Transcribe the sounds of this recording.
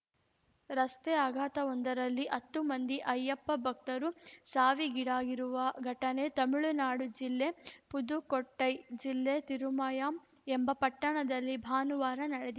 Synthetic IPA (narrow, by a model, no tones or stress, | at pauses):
ɾɐst̪eaːɡʱaːt̪ɐond̪ɐɾɐlːiʔɐt̪ːumɐnd̪iʔɐjːɐpːɐbʱɐk̚t̪ɐɾusaːʋiɡiɽaːɡiɾuʋɐɡʱɐʈɐne̞t̪ɐmiɭunaːɽud͡ʒilːe̞pud̪ukoʈːɐjd͡ʒilːet̪iɾumaːjaːm | embɐpɐʈːɐɳɐd̪ɐlːibʱaːnuʋaːɾɐnɐɽed̪i